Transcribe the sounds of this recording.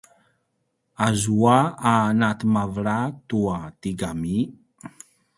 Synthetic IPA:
azuaanat̪imavɺat̪uat̪iɡami

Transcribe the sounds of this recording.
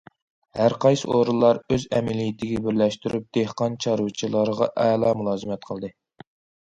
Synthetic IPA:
hæɾqʰɑjsɨʔoɾɨlˠːɑɾøzɛmɛlijt̪ʰɪɡʲɛbɪɾlɛʃt̪yɾyp̚d̪̥ehqɑnt͡ʃʰɑɾɨt͡ʃʰilˠɑɾəʁɑ̰ʔɛːlˠɑːmulˠɑːzɨmɛt̪̚qʰəlˠd̪ɨ

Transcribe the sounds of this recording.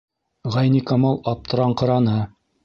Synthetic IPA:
ʁɑjnikɑmɑlˠɑp̚t̪ɤ̆ɾɑɴqɤ̆ɾɑnɤ

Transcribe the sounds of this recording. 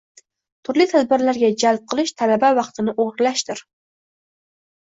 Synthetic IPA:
t̪ʰuɾlˠit̪ʰæd̪̚bɪɾlæɾɡʲɛd͡ʒælp̚qʰəlˠɨʃt̪ʰælæbæwɑχt̪ɨnɨʔoʁɾɨlˠɑʃt̪ɨɾ

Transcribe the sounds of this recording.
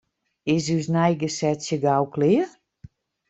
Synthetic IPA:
ɪs̬ys̬nɛjɡəsɛtsjəɡawklɪə

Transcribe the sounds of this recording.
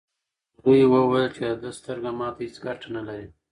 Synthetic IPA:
d̪ujwəwajəlt͡ʃead̪əst̪əɾɡamɑt̪ahɪt͡sɡaʈanalaɾi

